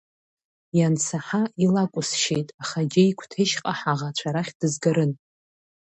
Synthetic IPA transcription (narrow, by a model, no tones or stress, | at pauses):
jansʰaħaʔilakʷʼʊsʃejtʼaχaɡʲeikʷʰtʰeʃqʼaħaʁat͡ʃʷʰaɾaχʲd̥ɨzɡaɾɨn